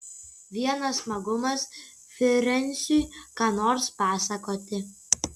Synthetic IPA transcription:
ʋʲiɛnɐssmɐɡʊmɐs | fʲɪɾʲɛnʲsʲujkɑːnoːɾspɑːsɐkoːt̪ʲɪ

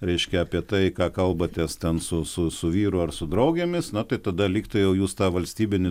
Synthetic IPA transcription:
ɾʲɛɪʃʲkʲɛɐpʲiɛt̪ɐɪkɑːkɐlˠbɐt̪ʲɛst̪ʲɛnsʊsʊsʊʋʲiːɾʊɐrsʊd̪ɾɐʊɡʲemʲɪsnɐt̪ɐɪt̪ɐd̪ɐlʲiːkt̪ɐjɛʊjuːst̪ɑːʋɐlʲsʲt̪ʲiːbʲɪnʲɪ

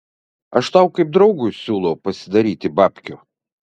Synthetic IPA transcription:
ɐʃt̪ɐʊkɐɪp̚d̪ɾɒʊɡʊsʲuːlˠɔʊpɐsʲɪd̪ɐɾʲiːt̪ʲɪbɑːpʲkʲo

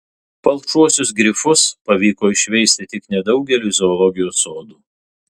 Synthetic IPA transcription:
pɐlˠkt͡ʃuɔsʲʊsɡɾʲɪfʊspɐʋʲiːkoːɪʃʲʋʲɛɪsʲt̪ʲɪt̪ʲɪknʲɛd̪ɒʊɡʲɛlʲuːzʲoːlˠɔɡʲɪjoːsoːd̪uː

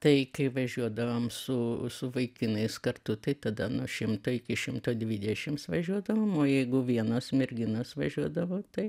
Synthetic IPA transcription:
t̪ɐɪkɐɪʋɐʒʲuɔd̪ɐʋoːmsʊsʊʋɐɪkʲɪnɐɪskɐrt̪ʊt̪ɐɪt̪ɐd̪ɐnʊʃʲɪmt̪oːɪkʲɪʃʲɪmt̪oːdʲʋʲid̪ʲɛʃʲɪmsʋɐʒʲuɔd̪ɐʋoːmoːjɛɪɡʊʋʲiɛnoːsmʲɛɾʲɡʲɪnoːsʋɐʒʲuɔd̪ɐʋoːt̪ɐɪ

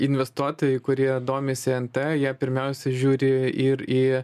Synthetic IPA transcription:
ɪnʲʋʲɛst̪uɔt̪oːjɛɪkʊɾʲiɛd̪oːmʲɪsʲɪɛnt̪ɛjiɛpʲɪɾʲmʲɛʊsʲɛʒʲuːɾʲɪɪɾiː

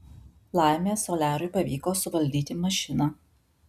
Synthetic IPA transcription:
lˠɑˑɪmʲeːsoːlʲæːɾʊɪpɐʋʲiːkoːsʊʋɐlʲd̪ʲiːt̪ʲɪmɐʃʲɪnɑ

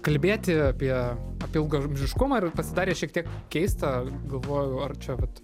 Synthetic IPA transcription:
kɐlʲbʲeːt̪ʲɪɐpʲiɛɐpʲɪɪlˠɡomʲʒʲɪʃkʊmɐːɪrpɐsʲɪd̪ɑːɾʲeːʃʲiɛkt̪ʲiɛkkʲɛɪst̪ɐɡɐlˠʋoːjʊɐrt͡ʃʲɛʋɐt̪

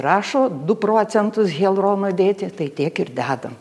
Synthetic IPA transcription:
rɑːʃoːd̪ʊpɾoːt͡sʲɛnt̪ʊsɣʲeːlˠroːnod̪ʲeːt̪ʲɪt̪ɐɪt̪ʲiɛkɪrd̪ʲæːd̪ɐm

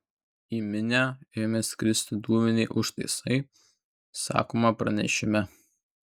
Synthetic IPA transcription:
imʲɪnʲæːeːmʲeːsʲkʲɾʲɪsʲt̪ʲɪd̪uːmʲɛnʲɛɪʔʊʃt̪ɐ̰ɪsɐɪ | sɑ̰ːkoːmɐpɾɐ̰nʲɛ̰ʃʲɪmʲɛ

